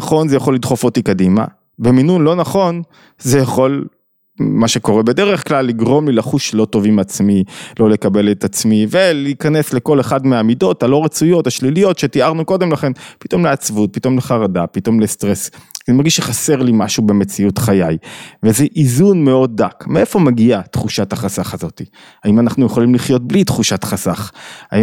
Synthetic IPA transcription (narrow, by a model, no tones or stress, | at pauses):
naχo̞nzejaχo̞lːid̪χofotikadima̰ | be̞minunlo̞naχo̞n | ze̞jaχo̞l | maʃe̞ko̞ʁebe̞de̞ʁeχklalːiɡʁo̞mlilaχuʃlo̞to̞vimat͡smilo̞le̞kabe̞let̪at͡smive̞liːkane̞sle̞ko̞le̞χadmeaːmido̞talo̞ʁet͡sujo̞taʃlilijo̞tʃe̞tiaʁnuko̞de̞mlaχe̞npit̪o̞mleat͡svut̚pito̞mleχaʁadapito̞mlestʁe̞szmaʁɡiʃeχase̞ʁlimaʃube̞me̞t͡siutχajajvezeʔizunme̞o̞dːakmee̞fo̞maɡiat̪χuʃat̪haχasaχazo̞ti | aimanaχnujeχolimliχjo̞t̪̚blitχuʃatχasaχa̰i